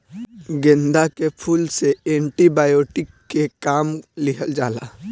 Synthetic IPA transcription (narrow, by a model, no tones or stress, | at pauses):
ɡẽnd̪akepʰuːlseẽːɳʈibaːjoːʈɪkːekaːmlɪkʰəld͡ʒaːla̰ː